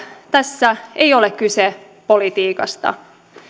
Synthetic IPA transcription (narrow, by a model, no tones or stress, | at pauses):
t̪æsːæejo̞lekkːyse | po̞lit̪iːkɑst̪ɑ̰